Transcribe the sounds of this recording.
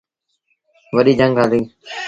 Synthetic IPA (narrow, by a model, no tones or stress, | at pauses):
ʋəɗiːd͡ʒəŋɡaːd̪iː